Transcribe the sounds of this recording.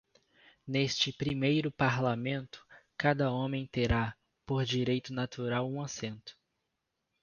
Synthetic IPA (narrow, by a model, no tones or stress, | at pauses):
nest͡ʃɪpɾimejɾʊpaɾlamẽnt̪ʊ̥kad̪ɐõmẽj̃t̪eɾa | poɾd͡ʒiɾejt̪ʊnat̪uɾawũasẽnt̪ʊ̥